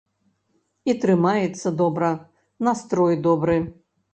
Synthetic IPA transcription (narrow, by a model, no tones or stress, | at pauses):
it̪ɾɨmajɛt̪sːɐd̪ɔbɾɐ | nast̪ɾɔjd̪ɔbɾɨ